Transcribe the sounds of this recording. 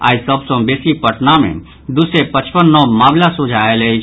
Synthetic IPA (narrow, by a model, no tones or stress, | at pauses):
a̰ːisəbsɔ̃beːsipəʈnamḛ̃ | d̪ʊsepət͡ʃpənːɔmaːmlasʊd͡ʒʱaːelei